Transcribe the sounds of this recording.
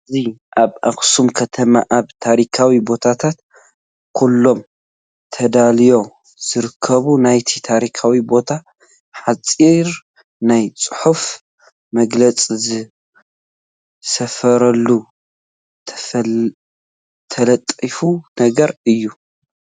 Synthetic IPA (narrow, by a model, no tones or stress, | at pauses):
ɨziʔaβʔaxsumkʰɐt̪ʰɐma̰ʔaβt̪ʰaɾikʰawibo̞t̪ʰat̪ʰat̪̚ | kʰulːo̞m | t̪ʰɐd̪alijo̞ | z̥ɨɾɨkʰːɐβunajt̪ʰit̪ʰaɾikʰawibo̞t̪ʰa | ħat͡sʼiɾ | najt͡sʼɨħuf | mɐɡlɐt͡sʼizɨ | sɐfɐɾɐlːu | t̪ʰ | t̪ʰɐlɐt̪ʼifunɐɡɐɾɨjːu